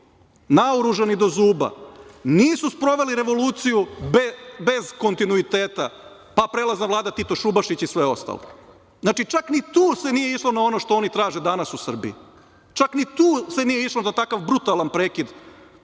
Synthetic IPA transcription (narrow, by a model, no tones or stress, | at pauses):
nauɾuʒanid̪o̞zuːba̰niːsuspɾo̞ʋe̞liɾe̞ʋo̞luːt̪sijubebezko̞nt̪inuit̪e̞ːt̪a | papɾeːlˠaznaʋlˠaːd̪at̪it̪o̞ʃubaʃit͡ɕisʋeo̞̰st̪a̰lo̰ | znaːt͡ʃit͡ʃaknit̪uːse̞nijeiʃlo̞nao̞no̞ʃt̪o̞o̞nit̪ɾaːʒe̞d̪anasusr̩bḭḭ | t͡ʃaknit̪uːse̞nije̞iʃlonat̪akaʋbɾut̪alanpɾeːkid̪